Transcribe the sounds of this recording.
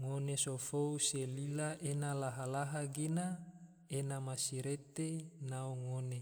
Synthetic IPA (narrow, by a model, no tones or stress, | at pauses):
ŋonesofouselilaʔenalaɦalaɦaɡina | enamasiɾet̪enaoŋone